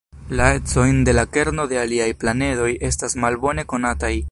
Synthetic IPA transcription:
laet͡so̞jnde̞lake̞ɾno̞de̞aliajplane̞do̞jʔe̞stasmalbo̞ne̞ko̞nataj

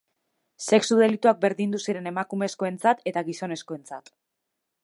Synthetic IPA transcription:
se̞ksuð̞e̞lit̪uak̚be̞ɾðind̪usiɾe̞ne̞makumesko̞e̞nt͡sat̪e̞t̪aɣiso̞ne̞sko̞e̞nt͡sat̪

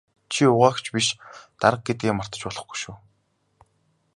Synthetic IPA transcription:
t͡ɕʰiʊʁaːxt͡ɕʰpiʃt̪aɾə̆q̚ɡet̪̚ɡiːmar̥t̪ə̆t͡ɕpɔɮɞ̆χɡu̥jʃuː

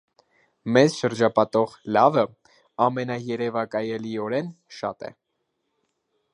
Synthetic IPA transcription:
mɛzʃəɾd͡ʒɑpɑt̪ɔʁlɑvə | ɑmɛnɑjɛɾɛvɑkɑjɛliɔɾɛn | ʃɑ̰t̪ɛ̰

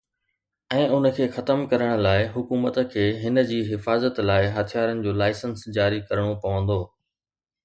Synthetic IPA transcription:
ɛ̃ːʊnə̆kʰeːxɐt̪əmkɐɾəɽ̃ʊ̆laːɪɦʊkuːmət̪kʰeːɦɪnə̆d͡ʑiːɦɪfaːzət̪laːɪɦɐt̪ʰijaːɾənɪ̆d͡ʑoːlaːɪsənsd͡ʑaːɾikɐɾəɽ̃opɐʋə̃nd̪oː

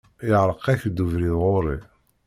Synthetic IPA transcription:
ɪʕɾˤəqæçd̪uvɾiðʁoɾˤi

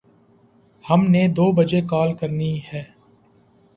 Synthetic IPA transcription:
həmned̪oːbəd͡ʒekaːlkəɾniɦɛː

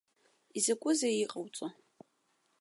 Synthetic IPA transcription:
izɐkʷʼʊzeiqʼawt͡sʼo

